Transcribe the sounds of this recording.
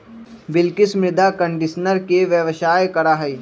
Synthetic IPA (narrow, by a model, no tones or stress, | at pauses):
bɪlkɪsmɾɪd̪aːkə̃ɳɖɪʃnəɾkeʋjəʋʃaːjkɐɾaːɦɐiː